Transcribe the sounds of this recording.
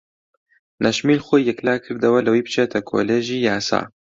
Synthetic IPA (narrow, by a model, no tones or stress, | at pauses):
nʔɐʃmiːlxoːjːɛklaːkʰɨɾd̪ɐwɐlɐwiːbɨ̥t͡ʃʰeːt̪ʰɐkʰo̰leːʒiːjaːsa̰ː